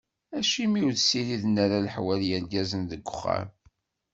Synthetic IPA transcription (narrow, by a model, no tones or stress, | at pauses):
æʃimiwðsiliðənːæɾaləħwæljəɾɡæzənðəɡʷːʊχːa̰m